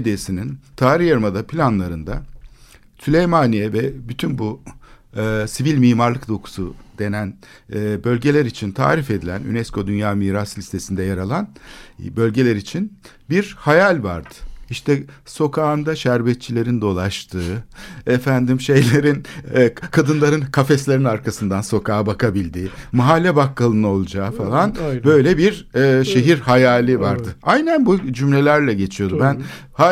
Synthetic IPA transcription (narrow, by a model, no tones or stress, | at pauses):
d̪esinint̪ʰaːɾiçjaɾmad̪apʰilʲanlˠaɾɯnd̪a | sylʲe̞jmanijɛvɛbyt̪ʰynbu | sivilʲmiːmaɾlˠɯkd̪o̞kʰu̥sud̪̥e̞nænːbø̞lʲɟe̞lʲæɾit͡ʃʰint̪ʰa̰ːɾife̞d̪ilʲæny̰nɛskʰo̞d̪ynjaːmiːɾaslʲist̪ʰe̞sind̪ɛjaɾalˠanbø̞lʲɟe̞lʲeɾit͡ʃʰin | biɾhajalʲva̰ɾd̪ɯ̥iʃt̪ʰɛso̞kʰaːnd̪aʃæɾbɛt̪̚t͡ʃʰilʲe̞ɾind̪o̞lˠaʃt̪ʰɯːefænd̪imʃe̞jlʲeɾinkʰad̪ɯnlˠaɾɯnkʰafɛslʲe̞ɾinaɾkʰasɯnd̪anso̞kʰaːbakabilʲd̪iːmaɦalʲːɛbakːalˠɯnɯo̞lˠud͡ʒaːfalˠanbø̞jlʲɛbiɾɛːʃe̞ɦiɾhajaːlʲivaɾd̪ɯajnænbud͡ʒymlʲe̞lʲæɾlʲɛɟe̞t͡ʃʰijod̪ummbæn | ha